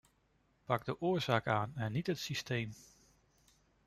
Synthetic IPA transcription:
pɑɡ̚dəʔʊːɹzaːkaːnɛnːitɦətsistejm

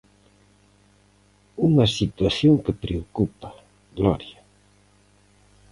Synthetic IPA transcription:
uŋɐsit̪waθjoŋkepɾeokupa | ɣlɔɾja

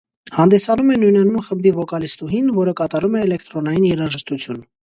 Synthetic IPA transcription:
hɑnd̪ɛsɑnumɛnujnɛnumχəmbd̪ivɔkɑlist̪uɦinvɔɾəkɑt̪ɑɾumɛːlɛkt̪ɾɔnɑjinjɛɾɑʒəʃt̪ut͡sʰjun

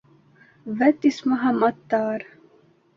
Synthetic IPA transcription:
ʋɛt̪ismɐɦɐmɐt̪ːaːɾ

